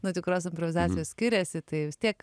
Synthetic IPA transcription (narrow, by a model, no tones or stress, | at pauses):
not̪ʲɪkɾoːsɪmpɾɔʋʲɪzɑːt͡ssʲɪjoːssʲkʲɪɾʲɛsʲɪt̪ɐɪʋʲɪst̪ʲiɛk